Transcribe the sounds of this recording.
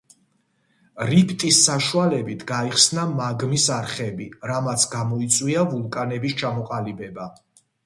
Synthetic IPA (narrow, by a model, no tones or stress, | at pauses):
ɾipʰt̪ʼisːaʃualɛbit̪ʰɡaiχsnamaɡmisaɾχɛbiɾamat̪sʰɡamɔit̪sʼwiavulˠkʼanɛbist͡ʃʰamɔqʼalibɛba